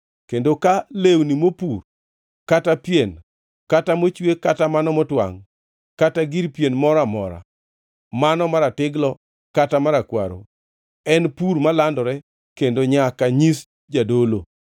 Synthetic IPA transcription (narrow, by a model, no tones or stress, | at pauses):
kendokalewnimopur | katapjen | katamot͡ʃwekatamanɔmɔtwa̰ŋ | kataɡiɾpjenmɔɾamɔ̰ɾa̰ | manɔmaɾatɪɡlɔ | katamaɾakwa̰ɾo̰ | ɛnpuɾmalandɔɾɛ | kendoɲakaɲis | d͡ʒadolo̰